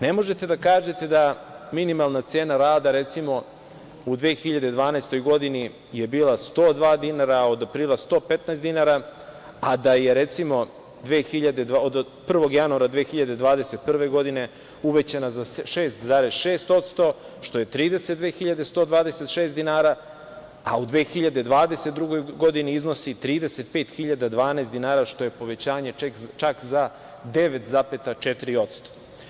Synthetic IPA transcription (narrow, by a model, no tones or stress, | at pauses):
ne̞mo̞ʒe̞t̪e̞d̪akaːʒe̞t̪e̞d̪a | minimalˠnat̪seːnaɾaːd̪aɾe̞t̪simo̞ | ud̪ʋeːxiʎad̪e̞d̪ʋaːnaest̪o̞jɡo̞d̪ini | je̞biːlˠast̪o̞ːd̪ʋaːd̪inaɾao̞d̪apɾiːlˠast̪o̞ːpe̞t̪naesd̪inaːɾa | ad̪aje̞ɾe̞t̪simo̞ | d̪ʋeːxiʎad̪ed̪aod̪ | pr̩ʋo̞ɡjanuaɾad̪ʋeːxiʎad̪e̞d̪ʋaːd̪e̞se̞t̪̚pr̩ʋe̞ɡo̞d̪ine̞ | uʋe̞t͡ɕenazaʃeːst̪zaːɾezʃeːst̪o̞t̪st̪o̞ | ʃt̪o̞je̞t̪ɾiːd̪esed̪ʋeːxiʎad̪e̞st̪oːd̪ʋaːd̪e̞se̞t̪ʃeːst̪d̪inaːɾa | a̰ud̪ʋeːxiʎad̪e̞d̪ʋaːd̪e̞set̪̚d̪ɾuɡo̞jɡo̞d̪iniizno̞sit̪ɾiːd̪e̞se̞t̪̚peːt̪xiʎad̪ad̪ʋaːneːst̪inaːɾaʃt̪o̞jepo̞ʋe̞t͡ɕaːɲe̞t͡ʃekt͡ʃakza | d̪e̞ʋe̞t̪zaːpet̪at͡ʃet̪iɾio̞t̪st̪o̥